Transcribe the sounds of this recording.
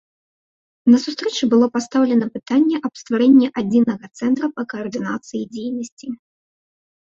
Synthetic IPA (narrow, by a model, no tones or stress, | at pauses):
nɐsust̪ɾɛt͡ʂɨbɨlˠɔpast̪awlʲɛnɐpɨt̪anʲːɛʔɐpst̪vaɾɛnʲːɛʔad͡zʲinɐɣɐt̪sɛnt̪ɾɐpɐkɐːrd̪ɨnat̪sɨjid͡zʲejnɐsʲt͡sʲi